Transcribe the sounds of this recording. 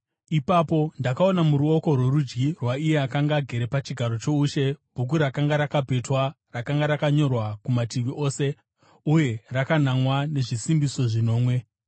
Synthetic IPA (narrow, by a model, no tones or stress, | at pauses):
ipapo̞ndakao̞namuɾuo̞ko̞rwe̞rud͡ʒɡirwaije̞akaŋɡaɡʱe̞ɾe̞pat͡ʃiɡʱaɾo̞t͡ʃo̞uːʃe̞bʱuk̬uɾakaŋɡaɾakabʱe̞twa | rakaŋɡaɾakaɲo̞rwakumatiʋiʔo̞ːse̞ | uje̞rakanamwane̞ʐisimbiso̞ʐinoːmwe̞